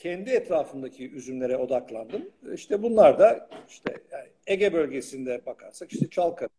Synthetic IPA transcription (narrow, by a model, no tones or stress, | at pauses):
cʰɛnd̪iɛt̪ɾaːfɯnd̪acʰiyzymlʲe̞ɾɛo̞d̪aklˠand̪ɯmiʃt̪ʰɛbunlˠaɾd̪aiʃt̪ʰɛ̰ | eɟɛbølʲɟe̞sind̪ɛbakʰaɾsakiʃt̪ɛt͡ʃʰalˠkʰaɾ